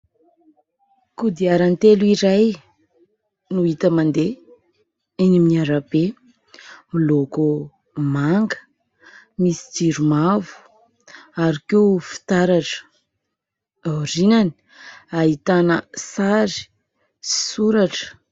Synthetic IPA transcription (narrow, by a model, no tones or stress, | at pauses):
kud̪iaɾant̪eluiɾaj | nuit̪əmand̪e | enimiaɾabe | miloko | maŋɡə̥ | misi̥d͡ʒiɾumavu̥ | aɾikefi̥t̪aɾaʈ͡ʂə̥ | awɾinani̥ | aɦit̪anəsaɾi̥ | suɾaʈ͡ʂə̥